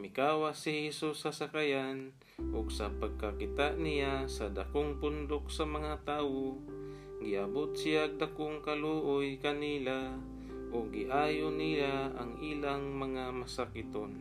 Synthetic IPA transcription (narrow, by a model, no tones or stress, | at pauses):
mɪkaːwasɪhɛsusasakajan | ʔoɡsapaɡ̚kakɪt̪aʔnɪjasad̪a̰koŋpʊnd̪ok̚samɐŋat̪aːwo | ɡɪʔabʊt̪̚sɪjaɡ̚d̪akʊŋkaluʔʊjkanila | ʔoɡːɪʔaːjonijaa̰ŋʔiːlaŋmɐŋamasakɪt̪on